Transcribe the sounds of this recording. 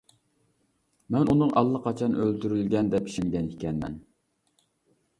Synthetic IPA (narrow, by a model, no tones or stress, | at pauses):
mɛnunɨŋɑlˠːɑqʰɑt͡ʃʰɑnølt̪yɾylɡʲɛnd̪ɛpi̥ʃɪŋɡʲɛnikʲʰɛnmɛ̰n